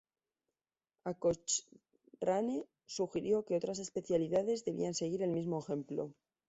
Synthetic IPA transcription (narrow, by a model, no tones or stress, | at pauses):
akot͡ʃ | rane | suxiɾjo̞keo̞t̪ɾas̬e̞spe̞θjaliðaðe̞zðe̞β̞ḭanse̞ɣiɾe̞lmizmoexe̞mplo̞̰